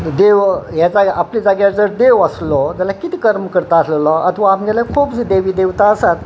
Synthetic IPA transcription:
d̪eʋjad͡zaaplid͡zaɡjad͡zəɾd̪ewəslɔd͡zalakit̪ikəɾmkəɾt̪aːslelɔə̰t̪ʰʋaːmd͡ʑalakʰupd͡zid̪eʋiːd̪eʋt̪aəsat̪

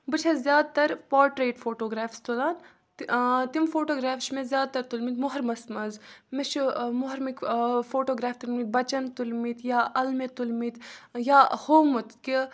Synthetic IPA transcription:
bɨt͡ʃʰɐzʲjaːd̪̚t̪ɐɾpaːɾʈɾeːʈfʰoːʈoːɡɾaːfst̪ulaːn | t̪imfoːʈoːɡɾaːfʃmezʲjaːd̪̚t̪ɐɾt̪ulmit̪mʊɦɐɾmɐsmɐzmeʃmʊɦɐɾmikfoːʈoːɡɾaːft̪ulmit̪̚bɐt͡ʃɐnt̪ulmit̪jaːʔɐlmet̪ulmit̪jaːhoːmɨt̪ki

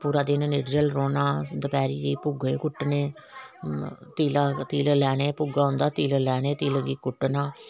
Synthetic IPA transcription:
puːɾaːd̪eːnəneːʈɾəlɾoːnaːd̪əpɛːɾiːd͡ʒiːpʊɡekʊʈːneː | t̪iːlat̪iːləlɛːneːpʊɡaːʊ̃nd̪aːt̪iːləlɛːneːt̪iːləɡiːkʊʈːnaː

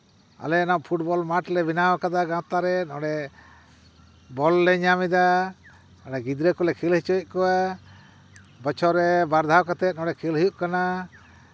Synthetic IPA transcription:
a̰lɛnɔʔpʰuʈbɔlmaʈlɛbinawkad̪aɡãt̪aɾɛɔ̃ɽɛ | bɔlːɛɲamid̪a | ɔɽɛɡid̪ɾɛkɔlɛkʰilhit͡ʃɔc̚ˀkɔwa | bɔt͡ʃʰɔɾɛbaɾd̪ʱawɔkat̪ɛt̪̚nɔ̃ɽɛkʰilɦijuʔkana

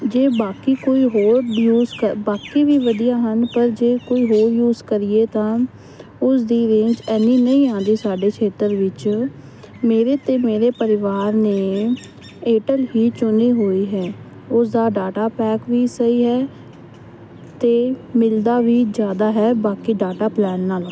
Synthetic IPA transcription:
d͡ʒeːbaːkiːkoːiːɦoːɾjuːzkəbaːkiːʋiːʋəd̪ijaːɦənpəɾd͡ʒeːkoːiːɦoːɾjuːzkəɾɪːeːt̪ãː | ʊsd̪iːɾẽːɲd͡ʒɛːnːĩːnəĩːãːnd̪iːsaːɖeːkʰeːt̪əɾʋɪt͡ʃ | meːɾeːt̪eːmeːɾeːpəɾɪʋaːɾneː | eːʈəlɦiːt͡ʃʊneːɦoːiːɦɛː | ʊsd̪aːɖaːʈaːpɛːkʋiːsəiːɦɛː | t̪eːmɪld̪aːʋiːzjaːd̪aːɦɛːbaːkiːɖaːʈaːplɛːnːaːl

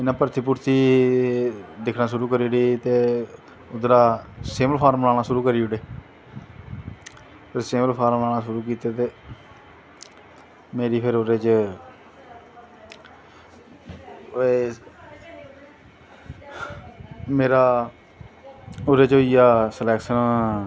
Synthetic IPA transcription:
ɪnãːpəɾt̪ʰiːp̬ʊɾt̪iː | d̪ɪkʰnãːʃʊɾuːkəɾiːɽeːt̪eː | ʊd̪ɾaːseːməlpʰaːɾmlaːnaːʃʊɾuːkəɾiːʊɽeː | pəɾseːməlpʰaːɾmnaːnaːʃʊɾuːk̬iːt̪eːt̪eː | meːɾiːpʰɪɾoɾeːt͡ʃ | e | meːɾaː | ʊɾeːt͡ʃoːijaːsəlɛːksən

